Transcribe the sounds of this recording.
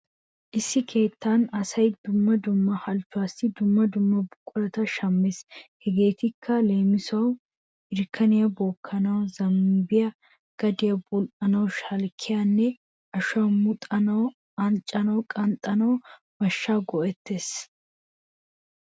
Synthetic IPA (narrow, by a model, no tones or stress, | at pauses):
ʔɪsːɪkʰe̞ːt̪ːanɐsɐjd̪ʊmːɐd̪ʊmːɐhɐlt͡ʃːʊwaːsɪd̪ʊmːɐd̪ʊmːɐbʊkʼːʊlɐt̪ɐʃɐmːeshɛɡe̞ːt̪ɪkʰːɐle̞ːmɪsɐw | ɪɾkʰːɐnɪjɐbɔːkʰːɐnɐwzɐmːibɪjɐ | ɡ̥ɐd̪ɪjɐbʊlʔɐnɐwʃɐlkʰːɪjanːɛ | ʔɐʃʊɐmʊt̪ʼɐnɐw | ɐnt͡ʃʼːɐnɐwkʼɐnt̪ʼɐnɐw | mɐʃːaːɡɔʔɛt̪ːe̞ːs